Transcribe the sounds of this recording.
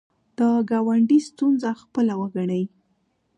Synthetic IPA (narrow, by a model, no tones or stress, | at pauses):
d̪̥əɡɑwaɳɖist̪unzaxpəlawəɡaɳəj